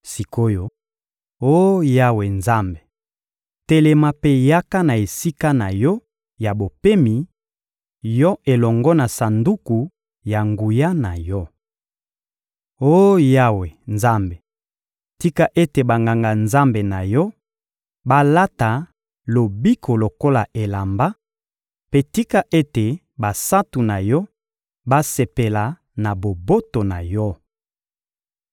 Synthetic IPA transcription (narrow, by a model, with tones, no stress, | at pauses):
si˨ko˦jo˨ | o˦ja˦we˨nza˦mbe˨ | te˨lɛ˨ma˦pe˦ja˦ka˦na˨e˨si˦ka˦na˨jɔ˦ | ja˨bo˨pe˦mi˨ | jɔ˦e˨lɔ˨ŋɡɔ˦na˨sa˨ndu˦ku˨ | ja˨ŋɡu˨ja˦na˨jɔ˦ | o˦ja˦we˨nza˦mbe˨ | ti˦ka˦ʔe˦te˨ba˨ŋɡa˨ŋɡa˨nza˦mbe˨na˨jɔ˦ | ba˦la˦ta˨ | lo˨bi˦ko˨lo˨ko˦la˨ʔe˨la˨mba˦ | pe˦ti˦ka˦ʔe˦te˨ | ba˨sa˦tu˨na˨jɔ˦ | ba˦se˨pe˨la˨ | na˨bo˨bo˦to˨na˨jɔ˦